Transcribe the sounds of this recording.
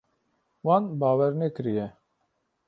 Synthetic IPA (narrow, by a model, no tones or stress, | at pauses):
wɑːnbaːwɛɾnekɨɾijɛ